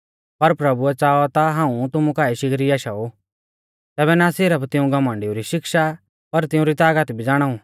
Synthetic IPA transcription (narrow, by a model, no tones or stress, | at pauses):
pɐɾpɾɐbuɛt͡saːɔt̪aɦãːũt̪ʊmũkaːiʃɪkɾiaːʃao | t̪ɛːβɛnasɪɾəpt̪ɪ̃ũɡɐmə̃ɳɖɪuɾiʃɪkʃa | pɐɾt̪ɪũɾit̪aːɡət̪bʱid͡zaːɽ̃aːũ